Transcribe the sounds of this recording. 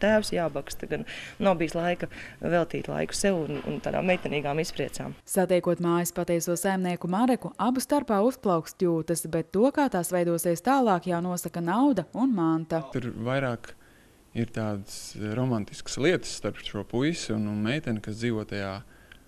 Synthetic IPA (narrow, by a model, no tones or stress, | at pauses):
t̪æːwsjaːbakst̪ɐɡannabijslˠajkɐvɛlˠt̪iːt̪lˠa̰jku̥sɛwunṵnt̪aːd̪a̰ːmɛjt̪ɛniːɡaːmispɾiɛt̪sa̰ːmsat̪ɛjkuɔt̪maːjispat̪ɛjsuɔsajmniɛkumaɾɛkuabust̪aɾpaːusplˠawkst̪ʲuːt̪əsbɛt̪ːuɔkaːt̪aːsvɛjd̪uɔsɛjst̪aːlˠɑːkjawnuɔsakɐnawd̪ɐunmant̪at̪uɾvajɾaːk | iɾt̪aːd̪sɾɔmant̪i̥skə̥slˠiɛt̪ə̥sːt̪aɾpʃuɔpujsunnmɛjt̪ɛnkasd̪ziːʋuɔt̪ajaː